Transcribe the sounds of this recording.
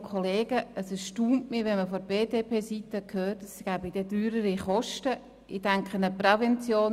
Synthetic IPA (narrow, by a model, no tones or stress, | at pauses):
kʰɔleːɡ̥əəsɛʃtuːntmiʋɛnməfɔɾb̥eːdeːpʰeːsitəkʰhøːtəsɡ̥æbidɛdyːɾəɾiχɔʃtə | ʔɪdɛŋkχənəprɛvɛnt͡sjoːn